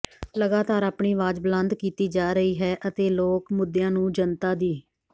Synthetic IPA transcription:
ləɡaːt̪aːɾaːpɳiːʋaːd͡ʒblə̃nd̪kiːt̪iːd͡ʒaːɾəiːɦɛːʔət̪eːloːkmʊd̪ːjãːnũːd͡ʒənt̪aːd̪iː

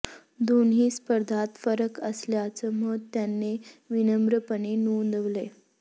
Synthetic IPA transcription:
d̪onɦiːspəɾd̪ʱat̪fəɾəkəsljat͡səməd̪t̪ːjanːeʋinəmbɾəpəɳenund̪əʋle

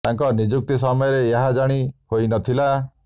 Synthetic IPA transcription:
t̪aŋkɔnid͡ʒuk̚t̪is̬ɔmɔjɔɾeːɦad͡ʒaɽ̃ihojnɔt̪ʰila

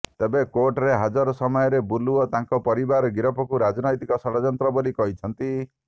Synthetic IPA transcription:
t̪ebekoɾʈɔɾeɦad͡ʒɔɾɔsɔmɔjɔɾebuluɔt̪ãŋkɔpɔɾibaɾɔɡiɾɔpɔkuɾad͡ʒɔnɔjt̪ikɔsɔɽɔd͡ʒɔnt̪ɾɔbolikɔɦit͡ʃʰɔnt̪i

